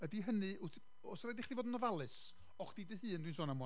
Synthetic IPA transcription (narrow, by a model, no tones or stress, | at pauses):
ədiɦənɨʊtʰ | ɔsɔɾadɪχdivoːdənɔvalˠɨs | ɔχd̥iːdɨhɨːndwinsoːnam